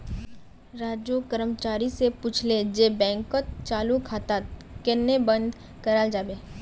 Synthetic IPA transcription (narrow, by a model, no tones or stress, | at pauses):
ɾaːd͡ʒokəɾəmt͡ʃaːɾisepuːt͡ʃʰled͡ʒebɛ̃ːŋkot̪̚t͡ʃaːlukʰaːt̪aːt̪̚ | kenːebə̃nd̪ʱ | kəɾaːld͡ʒaːbeː